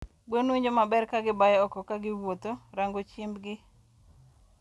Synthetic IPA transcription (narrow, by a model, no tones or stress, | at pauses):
bwonwiɲd͡ʒomabɛrkaɡɪbajɛɔkɔkaɡɪwot̪oɾaŋɡot͡ʃɪmbɡɪ